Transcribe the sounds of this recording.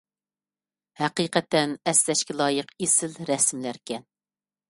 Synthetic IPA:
hæqiːqɛt̪ːɛnɛslɛʃkʲɛlˠɑːjəqesɪlɾɛsmlæɾkʲʰɛn

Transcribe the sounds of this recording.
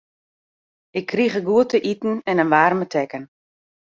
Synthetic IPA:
ɪkʰːriɣəɡuətəʔitn̩ɛnənʋaːrmətʰɛkən

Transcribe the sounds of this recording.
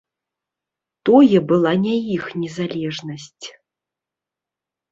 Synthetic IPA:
t̪ɔjɛbɨlˠanʲajixnʲɛzalʲɛʐnɐsʲt͡sʲ

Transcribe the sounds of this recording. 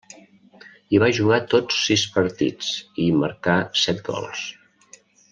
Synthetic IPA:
iβaʒuɣat̪ot͡sːispəɾt̪ḭt͡simə̰ɾkasɛt̪̚ɡɔ̰lˠs

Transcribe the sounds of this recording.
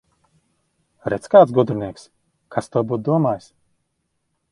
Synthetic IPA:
ɾɛt̪sʲkaːt̪sɡɔd̪ɾɨnʲiɛks | kʰast̪uɔbuːt̪̚d̪uɔmaːjs

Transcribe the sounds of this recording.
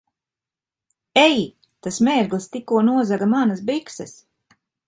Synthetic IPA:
ɛji | t̪asmeːɾɡlˠist̪ikuɔnuɔzaɡamanasbiksɨs

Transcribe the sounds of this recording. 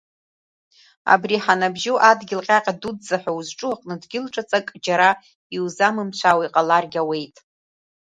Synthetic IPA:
a̰briħanabʒoʔadɡʲɪlqʲʼaqʲʼadudzaħʷauzʈ͡ʂʼuaqʼnɨdɡʲɪlʈ͡ʂʼat͡sʼakʼd͡ʒaɾa | iwzamɨmt͡ɕʷʰawaiqʼalarɡʲawe̞jtʼ

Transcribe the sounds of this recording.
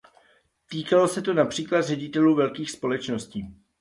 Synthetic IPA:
t̪iːkalo̞sɛt̪o̞napr̝̥iːklad̪rɛɟɪt̪ɛluːvɛlkiːxspo̞lɛt͡ʃno̞sciː

